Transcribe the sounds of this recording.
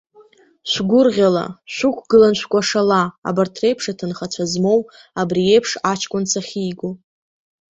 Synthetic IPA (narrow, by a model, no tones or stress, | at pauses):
ʃʷɡʷʊrʁʲala̰ʃʷʊkʷʰɡɨlanʃʷʰkʷʼaʂala̰ːbartʰre̞jpʰʂatʰɨnχat͡ɕʷʰazmo̞w | abrie̞jpʰʂat͡ʃʰkʷʼʊnt͡sʰaχʲijɡo